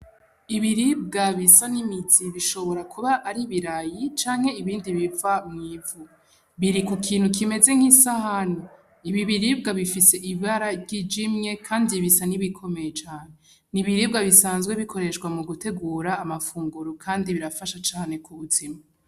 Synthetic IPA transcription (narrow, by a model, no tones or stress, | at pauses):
iβiɾib̚ɡaβisanimiziβiʃo̞βo̞ɾakʰuβaʔːɾiβiɾajit͡ʃaːŋ̥he̞iβiːndiβivamŋiːvu | βiɾikukʰiːnhukʰime̞ze̞ŋ̥hisahanu | iβiβiɾib̚ɡaβifise̞ʔiβaɾaɟid͡ʒimɲe̞kʰaːndiβisaniβikʰo̞me̞jet͡ʃaːne̞ | niβiɾib̚ɡaβisaːnzɡwe̞βikʰo̞ɾe̞ʃkwamuɡute̞ɡuːɾaːmafuːŋɡuɾukʰaːndiβiɾafaʃat͡ʃaːne̞kʰuβutima